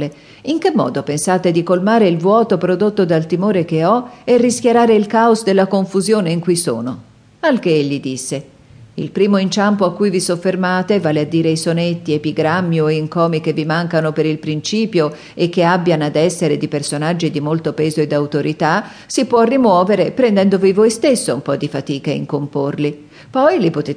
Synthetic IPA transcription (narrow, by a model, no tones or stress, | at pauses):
le | iŋkemːɔ̰ːd̪opensaːt̪ed̪ikolmaːɾeilvwɔːt̪opɾod̪ot̪ːod̪alt̪imoːɾekeɔɛrːiskʲjeɾaːɾeilkaosd̪elːakoɱfuzjoːneiŋkujso̰ːno | alk̟eeʎːid̪isːe | ḭlpɾiːmoint͡ʃampoakːujvisofːermaːt̪evaːlead̪ːiːɾeisonet̪ːiepiɡɾamːjoeiŋkɔːmik̟evːimaŋkanopeɾilpɾint͡ʃiːpjo | ekːeabːjanad̪ɛsːeɾed̪ipersonad͡ʒːid̪imolt̪opɛːzoed̪ːawt̪oɾit̪a | sipwɔrːimwɔːveɾepɾɛnd̪ɛnd̪ovivojst̪esːoṵmpɔd̪ːifat̪iːkaeḭŋkomporli | pɔjlipot̪eː